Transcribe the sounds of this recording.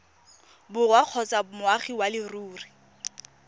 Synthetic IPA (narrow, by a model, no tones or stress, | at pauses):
bʊrwaq͡χʰɔt͡sʼamʊaχiwalɪruːri